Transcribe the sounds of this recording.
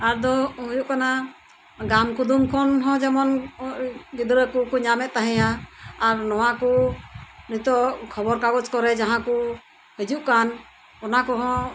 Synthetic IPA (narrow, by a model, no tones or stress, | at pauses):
aɾd̪ɔujuʔkana | ɡamkud̪umkʰɔnɦɔ̃d͡ʒɛmɔn | ɡid̪ɾəkukuɲamɛt̪̚t̪aɦɛ̃jaːɾnɔwaku | nut̪ɔkʰɔbɔɾkaɡɔt͡ʃkɔɾɛd͡ʒaɦãku | hid͡ʒuʔkan | ɔnakɔɦɔ̃